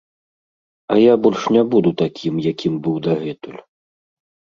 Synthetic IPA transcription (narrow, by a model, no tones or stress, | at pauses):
ɐjabɔlʲʂnʲabud̪ut̪akʲʰimjakʲʰimbɨwd̪aɣɛt̪ulʲ